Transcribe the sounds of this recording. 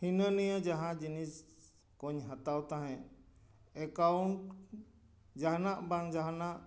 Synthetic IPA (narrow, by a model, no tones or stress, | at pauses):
hinənijəd͡ʒaɦãd͡ʒinis | kɔɲɦat̪awt̪aɦɛ̃ | ɛkawɳʈ | d͡ʒaɦnaʔbaŋd͡ʒaɦnaʔ